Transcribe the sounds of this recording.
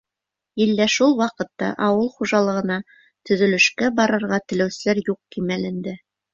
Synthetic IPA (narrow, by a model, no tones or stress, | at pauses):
ilːæʃulˠwɑqɤ̆t̪ːɑ̰ʔɑwɤlˠχuʒɑlˠɤ̆ʁɤ̆nɑ | t̪ɵ̆ðɵ̆lɵ̆ʃkæbɑɾɤ̆ɾʁɑt̪ɘ̆læwsɘ̆læɾjuq̚kimælɘ̆nd̪ɘ